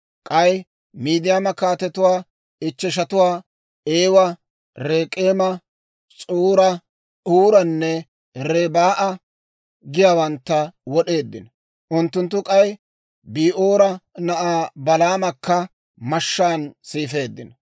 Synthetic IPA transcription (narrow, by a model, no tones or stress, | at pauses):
kʼɐj | miːd̪ɪjamɐkaːt̪ɛt̪ʊwaː | ɪt͡ʃːɛʃ̬ɐt̪ʊwaː | eːwɐ | ɾeːkʼe̞ːmɐ | t͡sʼuːɾɐ | uːɾɐnːɛ | ɾebaːʔɐ | ɡɪjaːwɐnt̪ːɐwɔɗe̞ːd̪ːɪnɐ | ʔʊnt̪ːʊnt̪ːʊkʼɐj | biːʔoːɾɐnɐʔaːbɐlaːmɐkːɐ | mɐʃːaːnsiːfe̞ːd̪ːɪnɐ